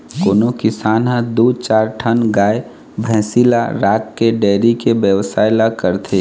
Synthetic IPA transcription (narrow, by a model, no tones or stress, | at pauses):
koːnokɪsaːnɦə̃d̪ut͡ʃaːɾʈʰənɡaːe | bʱɛ̃ːsilaɾaːkːeɖɛːɾikebjəʋsaːɪlakəɾt̪ʰe